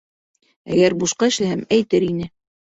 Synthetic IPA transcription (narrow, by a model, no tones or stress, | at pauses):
æɡæɾbuʃqɑɘ̆ʃlæhæmæjt̪ɘɾinɘ